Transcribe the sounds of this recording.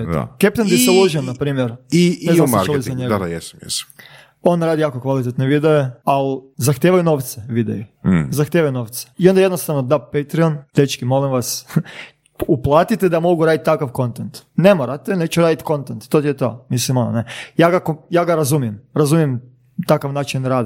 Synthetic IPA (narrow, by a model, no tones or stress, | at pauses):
o̰kep̚t̪end̪jeselˠoʒiomnapɾiːmjeɾinezasɾt͡ʃullizaɲeɡjesmjḛs | o̞nɾaːd̪ijaːkokʋalit̪et̪neʋid̪eealzaxt̪jeʋajuno̞ːʋt̪seʋid̪ḛjuzaxt̪jeːʋajunoːʋt̪se̥io̞nd̪ajed̪nost̪aʋnod̪apet̪ɾiont̪et͡ʃkimolimʋas | uplˠaːt̪it̪ed̪amo̞ɡuɾaːd̪it̪ːakaʋko̞nt̪ent̪nemoɾat̪enet͡ʃuɾaːd̪it̪ko̞nt̪ent̪t̪ot̪ijet̪o̰ːmislimono̰nejaːɡakojaːɡaɾazumijemɾazumijem | t̪akaʋnaːt͡ʃinɾaːd̪